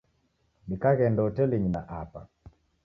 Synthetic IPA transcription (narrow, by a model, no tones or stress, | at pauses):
nikaɣɛndɔtɛliɲina̰ʔapa̰